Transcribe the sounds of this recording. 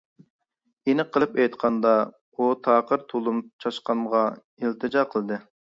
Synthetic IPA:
enɪqʰəlˠɨpɛjt̪qʰɑnd̪ɑ | ut̪ʰɑːqəɾt̪ʰolˠumt͡ʃʰɑʃqɑmʁɑ | ilt̪ʰɨd͡ʒɑqʰəlˠd̪ɨ

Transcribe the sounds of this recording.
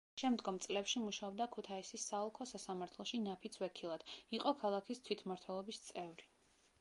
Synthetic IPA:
ʃɛmd̪ɡɔmt̪sʼlɛpʃimuʃaɔb̚d̪akʰut̪ʰaisisːaɔlˠkʰɔsasamaɾt̪ʰlˠɔʃinapʰit̪sʰwɛkʰilˠad̪̥iqʼɔkʰalˠakʰist̪ʰwit̪ʰmaɾt̪ʰwɛlˠɔbist̪sʼɛvɾi

